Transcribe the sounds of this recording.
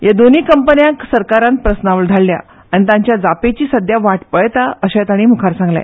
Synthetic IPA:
jed̪oniːkəmpənjãksəɾkaɾãnpɾəsnaʋld̪ʱaɭlja̰ | añit̪ãɲt͡ɕjad͡zapet͡ɕiːsəd̪ʱjaʋaʈpəɭt̪aəɕat̪aɽ̃iːm̤ukʰaɾsãŋɡla̰

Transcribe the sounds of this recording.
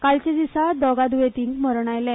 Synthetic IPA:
kaɭt͡ɕed͡zisad̪ɔɡad̪uʋet̪iŋɡm̤əɾɳajlɛ̃

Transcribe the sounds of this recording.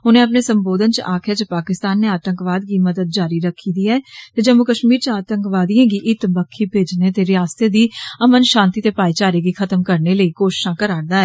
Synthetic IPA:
ɦʊnẽːəp̬neːsəmboːd̪ənt͡ʃəʔaːkʰjaːt͡ʃəpaːkɪst̪aːnːeːaːt̪ə̃ŋkʋaːd̪ɡiːməd̪əd̪̚d͡ʒaːɾiːɾəkʰːiːd̪iːɛːt̪eːd͡ʒəmʊkəʃmiːɾt͡ʃaːt̪əŋkʋaːd̪ijãːɡiːʔɪt̪bəkʰːiːpeːd͡ʒneːt̪eːɾɪjaːst̪eːd̪iːəmənʃãːnt̪iːt̪eːpaːiːt͡ʃaːɾeːɡiːkʰət̪əmkəɾneːləiːkoːʃɪ̥ʃãːkəɾaːɾd̪aːɛː

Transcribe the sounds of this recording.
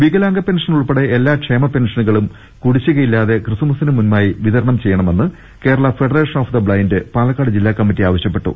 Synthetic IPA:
ʋiɡɐlaːŋɡɐpe̞nʂɐnuɭpeɽe̞ʔelːaːkʂe̞ːmɐpe̞nʂɐnuɣɐɭum | kuɽit͡ɕːuɣɐjilːaːðe̞krɨsumusinɨmunmaːjiʋiðɐɾɐɳɐmt͡ɕe̞jːɐɳɐme̞nːɨ | ke̞ːɾɐɭɐfe̞ɽɐre̞ːʂɐnoːfd̪ɐbɭɐjndɨpaːlɐkːaːɽɨd͡ʑilːaːkːɐmːitːiaːʋɐɕjɐpːe̞ʈːṵ

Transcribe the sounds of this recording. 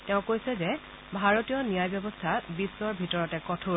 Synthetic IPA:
tɛʊ̃kojsɛzɛ | bʱaɹotijɔnijajbjɔbɔstʰabisːɔɹbʱitɔɹɔtɛkɔtʰu

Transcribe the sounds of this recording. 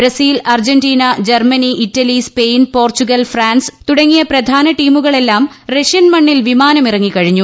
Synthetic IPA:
bɾɐsiːlɐrd͡ʑɐndiːnɐd͡ʑɐrmɐniʔitːɐlispe̞jnpo̞ːrt͡ɕuɣɐlfraːnst̪uɽɐŋːijɐpɾɐd̪ʱaːnɐʈiːmuɣɐɭe̞lːaːm | reʂjɐnmɐɳːilʋimaːnɐmirɐŋːikɐɻiɲːu

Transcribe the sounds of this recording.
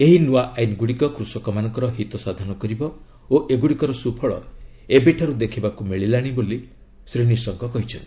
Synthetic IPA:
eɦinuwaʔajnɡuɽikɔkɾusɔkɔmanɔŋkɔɾɔɦit̪ɔsad̪ʱanɔkɔɾibɔ | oʔeɡuɽikɔɾɔsupʰɔɭɔ̰ebeʈʰaɾud̪ekʰibakumeɭilaɽ̃iboli | sɾiɽ̃isɔŋkɔkɔɦit͡ʃʰɔnt̪i

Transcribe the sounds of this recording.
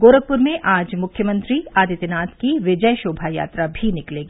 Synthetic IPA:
ɡoːɾəɡ̚pʊɾmẽʔaːd͡ʒmʊkʰjəmə̃nt̪ɾiaːd̪it̪ɪnaːt̪kiʋɪd͡ʒəjʃoːbʱaja̰ːt̪ɾabʱinɪkleːɡiː

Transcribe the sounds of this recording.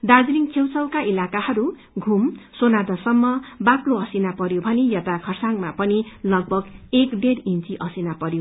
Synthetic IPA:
d̪ad͡zliŋkʰewt͡sʌwkaʔilakahʌɾu | ɡʱumsonad̪ʌsʌmːʌbakloʌsinapʌɾjobʱʌnejʌt̪akʰʌrsaŋmapʌnilʌɡ̚bʱʌɡekɖerint͡siʔʌsinapʌɾjo

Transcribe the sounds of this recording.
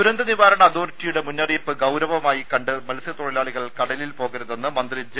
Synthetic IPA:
uɾɐnd̪ɐniʋaːɾɐɳɐːðoːrtːijuɽe̞munːɐrijɐpːɨɡɐwɾɐʋɐmaːjikɐɳɖɨmɐlɐsjɐt̪oɻilaːɭiɣɐɭkɐɽɐlilpo̞ːɣiɾɐðenːɨmɐnd̪rid͡ʑɨ

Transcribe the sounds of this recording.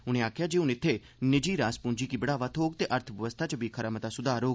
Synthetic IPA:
ʊñẽːaːkʰjaːd͡ʒeːʊnɪt̪ʰːeː | nɪd͡ʒiːɾaːspʊ̃ːɲd͡ʒiːkiːbəɽaːʋaːt̪ʰoːɡt̪eːʔəɾt̪ʰəbəʋəst̪ʰaːt͡ʃəbʱiːkʰəɾamət̪aːsʊd̪aːɾoː

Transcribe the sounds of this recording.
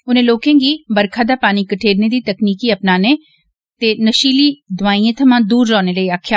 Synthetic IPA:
ʊnẽːloːkẽːɡiːbəɾkʰaːd̪aːpaːniːkəʈʰeːɾneːd̪iːt̪əkniːkiːəpnaːneː | t̪eːnəʃiːliːd̪ʊʋaːĩːẽːt̪ʰəmãːd̪uːɾːɔːneːləiːaːkʰːjaː

